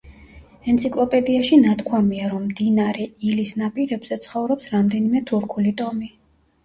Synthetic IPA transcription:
ɛnt̪sʰikʼlˠɔpʼɛd̪iaʃinat̪ʰkʰwamiaɾɔmːd̪inaɾɛilisnapʼiɾɛbz̥ɛt̪sʰχɔvɾɔpsɾamd̪ɛnimɛt̪ʰuɾkʰulit̪ʼɔmi

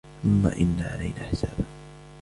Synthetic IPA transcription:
θʊmːa̰ːʔɪnːaːʕalajnaːħɪsaːba

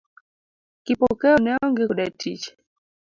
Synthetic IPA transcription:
kipɔkɛɔnɛɔŋɡɛkuɗatʰit͡ʃɛ̥

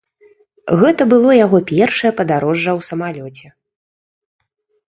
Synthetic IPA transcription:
ɣɛt̪ɐbɨlˠɔjaɣɔpʲɛrʂɐjɛpɐd̪aɾɔʐːɐwsɐmalʲɔt͡sʲɛ

